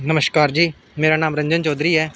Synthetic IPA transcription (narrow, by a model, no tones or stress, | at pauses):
nəməʃkaːɾd͡ʒiː | meːɾaːnaːmɾəɲd͡ʒənt͡ʃɔːd̪ɾiːɦɛː